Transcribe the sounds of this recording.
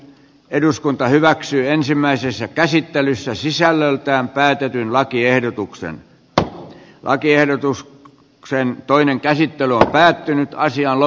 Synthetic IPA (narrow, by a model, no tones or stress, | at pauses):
eduskunt̪ɑhyʋæksyːensimːˑæisesːækæsit̪ːelysːæsisælːølt̪æːmpæːt̪et̪ynlɑkiehdot̪uksḛn | lʔɑ̰kiehdot̪us | ksent̪oineŋkæsit̪ːelyompæːt̪ːynyt̪ɑsiɑnlo